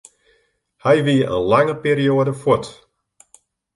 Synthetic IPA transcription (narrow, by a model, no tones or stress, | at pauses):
hɛjʋiəʔə̰nlaŋəpiːɾioədəfot